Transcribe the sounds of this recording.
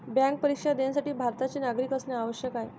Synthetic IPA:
bjãŋk̚pəɾikʂad̪ansaʈiːbʱaɾt̪at͡ɕeːnaɡɾikəsneaʋəɕjəkaɦe

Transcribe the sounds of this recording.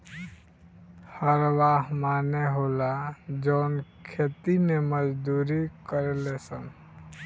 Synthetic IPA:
həɾʋaːɦmaːneɦoːlad͡ʒɔːnkʰeːt̪ineməd͡ʒd̪uːɾikəɾelesəm

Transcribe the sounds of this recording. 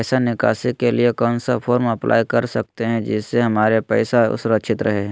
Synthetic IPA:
sanɪka̰ːsikːeliekɔːnsapʰoːɾmɐplʔa̰ːjkɐɾsɐk̚t̪eɦɛ̃d͡ʒɪsːeɦɐmaːɾepɛːsaʊ̰sʊɾəkʃʰɪt̪ɾɐɦeɦɛ̃

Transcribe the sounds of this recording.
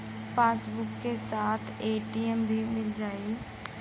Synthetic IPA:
pʰaːsbʊkːesaːt̪ʰeːʈiəmbʱimɪld͡ʒaːiː

